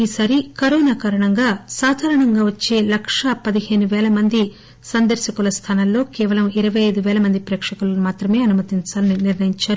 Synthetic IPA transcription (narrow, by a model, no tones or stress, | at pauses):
iːsaːɾikɐɾoːnaːkaːɾɐɳɐŋɡaːsaːd̪ʱaːɾɐɳɐŋɡaːʋɐt͡ʃːe̞ːlɐkʂɐpɐd̪ihe̞ːnuʋɛːlɐmɐnd̪i | sɐnd̪ɐɾʃɐkulɐst̪ʰaːnɐlːo̞ːkɛːʋɐlɐmiɾɐʋɐjɐjd̪uʋɛːlɐmɐnd̪ipɾɛːkʂɐkulɐmaːt̪ɾɐme̞ːɐnumɐt̪iɲt͡ʃaːlɐniniɾnɐjiɲt͡ʃaːɾu